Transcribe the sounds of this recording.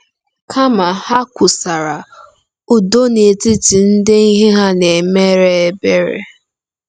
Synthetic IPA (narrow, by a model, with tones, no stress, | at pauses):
kʰa˦ma˨ha˦kʷʊ˨sa˨ɾa˨ | u˨do˦ne˨tɪ˦ti˨n̩˦dɪ˦i˦ɦe˦ɦa˦ne˨me˦ɾe˦e˨be˦ɾḛ˦